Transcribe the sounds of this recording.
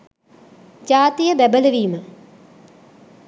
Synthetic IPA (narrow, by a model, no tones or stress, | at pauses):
d͡ʒaːt̪ijəbɛbələʋiːmə